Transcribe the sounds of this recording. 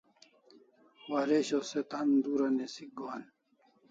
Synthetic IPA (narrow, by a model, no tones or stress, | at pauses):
waɾeɕoset̪and̪uːɾɐnesiɡoːn